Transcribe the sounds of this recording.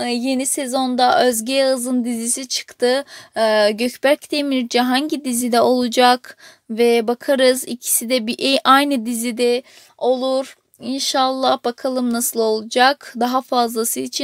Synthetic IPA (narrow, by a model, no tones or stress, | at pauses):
je̞nisezo̞nd̪aʔøzɟɛjaɯzɯnd̪izisit͡ʃʰɯ̥kt̪ʰɯ | ɟøcbæɾct̪emiɾd͡ʒɛɦaɲɟid̪izid̪ɛo̞lˠud͡ʒak | vɛbakʰaɾɯzicʰi̥sid̪ɛbiʔɛʔajnɯd̪izid̪ɛ | o̞lˠuɾ̥ | inʃalˠːahbakʰalˠɯmnasɯlˠo̞lˠud͡ʒakd̪aɦafazlˠasɯit͡ʃʰi